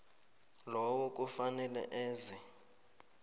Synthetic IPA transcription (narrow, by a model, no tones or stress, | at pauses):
lɔwɔk̬ʼufanɛlɛ̰ʔɛːzi